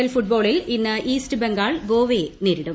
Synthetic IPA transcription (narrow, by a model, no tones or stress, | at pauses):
ɐlfuʈ̚bo̞ːɭilinːɨʔiːstɨbeŋɡaːɭʋoːʋeneːɾiɽum